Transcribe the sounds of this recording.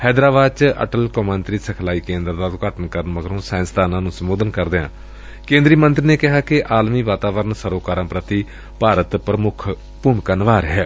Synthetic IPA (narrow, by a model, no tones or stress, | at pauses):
hɛːd̪ɾaːbaːd̪̚t͡ʃə̰ʈəlkomə̃nt̪ɾiːsəkʰlaːiːkẽːnd̪ɾd̪aːkaːʈənkəɾənʋəɡɾõːsãːɪ̃nst̪aːnãːnũːsəmoːd̪ənkəɾd̪eːã̰ː | kẽːnd̪ɾiːmənt̪ɾiːneːkɪɦaːkɪʔaːlmiːʋaːt̪aːʋəɾənsəɾoːkaːɾãːpɾət̪iː | paːɾət̪pɾəmʊkʰ | pʊmkənʋaːɾɦɛː